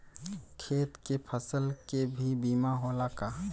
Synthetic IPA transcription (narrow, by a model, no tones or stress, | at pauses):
kʰeːt̪kepʰəsəlkebʱibiːmaɦoːlaka